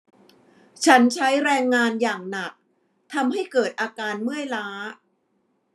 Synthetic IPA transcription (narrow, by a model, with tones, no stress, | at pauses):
t͡ɕʰa˦˥nt͡ɕʰa˦˥jɾɛː˧ŋːaː˧njaː˨˩ŋna˨˩k̚ | t̪ʰa˧mɦa˥˩jkɤː˨˩t̪̚ʔaː˧kaː˧nmɯ˥˩əjlaː˦˥